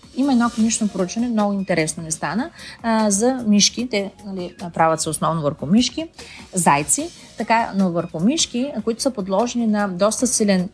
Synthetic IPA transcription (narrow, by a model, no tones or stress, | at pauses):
imɐɛd̪ɔkonit͡ʃnopɾout͡ʃvɐnɛmnɔɡʊint̪ɛɾɛsnonɛst̪anəzɐmiʃkit̪ɛnɐlipɾavʲəɐt̪sɛosnɔvnovəɾxʊmiʃkizajt̪si | t̪ɐkanovəɾxʊmiʃkikoit̪ʊsəpod̪lˠɔʒɛninɐd̪ɔst̪əsilʲɛn